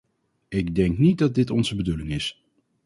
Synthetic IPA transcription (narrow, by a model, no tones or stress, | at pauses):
ɪɡdɛŋknit̚dɑd̚dɪtɔnzəbədulɪŋɪs